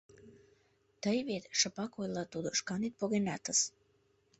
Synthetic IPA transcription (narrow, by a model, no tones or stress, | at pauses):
t̪əjβet̪ʃəpɑkojlɑt̪ud̪oʃkɑnit̪̚poɣenɑt̪əs